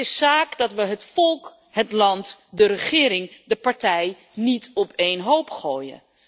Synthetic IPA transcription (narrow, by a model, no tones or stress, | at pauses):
ɪssaːkdɑtʋəɦətfɔlˠk | ɦətlɑntdəɾəχɪːɾɪŋdəpɑɹtɛj | nitɔpejnɦowpχoːjə̰n